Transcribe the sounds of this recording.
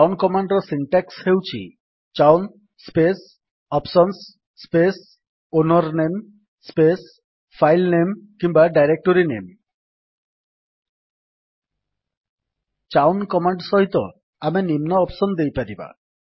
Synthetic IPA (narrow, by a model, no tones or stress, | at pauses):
awnkɔmaɳɖɾɔsiɳʈakshewt͡ʃʰḭ | t͡ʃawn | spes | ɔpsɔnsː | pes | onɔɾnem | spes | pʰajlnemkimbaɖajɾek̚ʈoɾinem | t͡ʃawnkɔmaɳɖsɔɦit̪ɔ | amenimnɔːpsɔnd̪ejpaɾiba̰